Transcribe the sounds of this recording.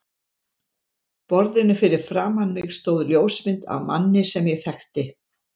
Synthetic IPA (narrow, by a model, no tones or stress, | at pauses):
pɔɾðɪnɪfɪɾɪɾ̥fɾaːmanmɪɣst̪oːwðljoːwsmɪnt̪a̰vma̰nːɪsɛmjɛɣθɛxt̪ɪ